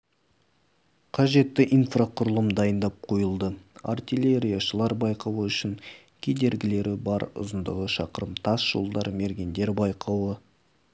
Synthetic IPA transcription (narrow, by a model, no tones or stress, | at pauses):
qʰɑʒe̞t̪ːɪʔinfraqʰʊɾəlˠəmd̪ɑjənd̪ɑp̚qʰojəlˠd̪əa̰rt̪ilʲe̞ɾʲijaʃəlˠɑɾbɑjqɑwəʏʃɪn | kʲʰe̞d̪e̞ɾɡʲɪle̞ɾɪbɑɾʊ̰zənd̪əʁəʃɑqəɾəmt̪ʰɑsʒ̥o̞̰lˠd̪ɑɾme̞ɾɡʲe̞nd̪e̞ɾbɑjqɑwə